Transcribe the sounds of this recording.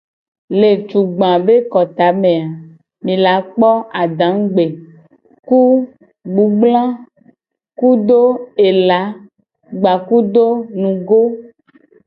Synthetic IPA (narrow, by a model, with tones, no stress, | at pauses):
le˨t͡ʃu˨ɡ͡bã˨be˦kɔ˨t̪a˨˦mẽ˨a˨ | mĩ˨la˨˦k͡pɔ˦a˨ɖã˨˦ŋ˦ɡ͡be˨ | ku˦ | ɡ͡bu˨˦ɡ͡blã˦ | ku˦d̪o˦e˨la˨˦ | ɡ͡ba˨ku˦d̪o˦nũ˨ɡo˦